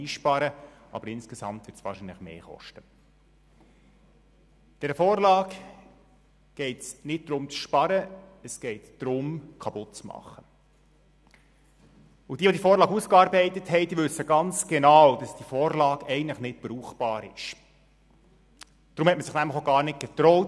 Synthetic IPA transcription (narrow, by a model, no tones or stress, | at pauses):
iːʃpɑɾə | ɑ̰bəɾɪnskɛsɑ̰mtʋɪːtsʋɑ̰ːrʃinləχmḛːχɔ̰ʃtə | d̥ɛɾəfoːrlɑːk | ɡ̥ɛɪtsnɪd̚d̪̥ɾʊmt͡sʃpɑɾəəsɡ̥ɛɪtd̥ɾʊmkʰɑpʊt̚t͡smɑ̰χːə | ʊd̥iːʋodifoːɾlɑːɡuskɑːɾbɛɪt̪əthɛɪdiːʋɵsːəɡɑnt͡sɡ̥ɛnɑwd̥ɑsd̥ifɔːrlɑːɡɛɪɡən̩tləχnɪt̚b̥ɾuːχb̥ɑːɾɪ̰ʃ | d̥ɾʊmhɛtməsɪχnæmləχoɡɑːɾnɪt̚ɡ̥ɛt̪ɾɔʊt